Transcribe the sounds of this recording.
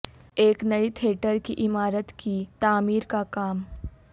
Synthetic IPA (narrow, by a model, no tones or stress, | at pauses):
eːknɐit̪ʰeːʈəɾkḭʔɪmaːɾət̪kit̪aːmiːɾkakaːm